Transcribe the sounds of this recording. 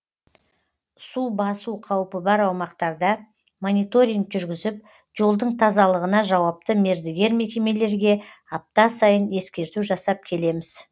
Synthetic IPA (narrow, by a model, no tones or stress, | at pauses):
subɑsuwqʰɑwpəbɑɾɑwmɑqt̪ɑɾd̪ɑ | mo̞nijt̪o̞ɾʲiŋkʒʏɾɡʲɪzɪp | ʒo̞lˠd̪əɴt̪ʰɑzɑlˠəʁənɑʒɑwɑp̚t̪əme̞ɾd̪eɡʲe̞ɾme̞kʲe̞me̞le̞ɾɡʲe̞ | ɑp̚t̪ɑsɑjəne̞skʲe̞ɾt̪uʒɑsɑp̚kʲʰe̞le̞mɪz̥